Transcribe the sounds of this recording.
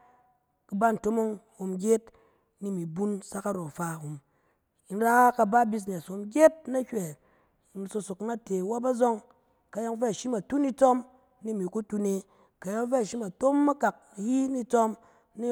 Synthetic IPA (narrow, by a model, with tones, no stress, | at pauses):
kɨ˨ba˦˨n̩˨to˦mo˦ŋho˨mɡʲe˦t | ni˦˨mi˨bu˦nsa˦ka˦ɾo˨fa˨hu˨m | i˨n˦ɾa˦kka˨ba˦bi˦s̬n˨e˨so˨mɡʲe˦t̚na˦hʲʷe˨ | i˨n˨so˧so˨kna˦te˨wa˦ba˦zo˦ŋ | ka˨ja˦ŋ˦fe˦a˨ʃi˦ma˨tu˦ni˦t͡sɔ˦m | ni˦˨mi˨ku˦tu˦ne˧ | ka˨ja˦ŋ˦fe˦a˨ʃi˦ma˨to˦mːa˦ka˨k̚ji˦ni˦t͡sɔ˦m | ni˦